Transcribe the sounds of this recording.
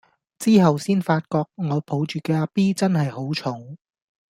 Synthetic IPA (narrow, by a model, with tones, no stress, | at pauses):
t͡siː˥ɦɐ˨wsiː˥nfaː˧t̚kɔː˧k̚ŋɔː˨˧pʰo˨˥wt͡ʃyː˨kɛː˧aː˧˥piː˥t͡sɐ˥nɦɐ˨jho˨˥wt͡ʃʰʊ˨˥ŋ